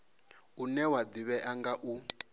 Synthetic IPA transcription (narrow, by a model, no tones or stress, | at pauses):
unɛwadiβɛʔaŋɡaʔu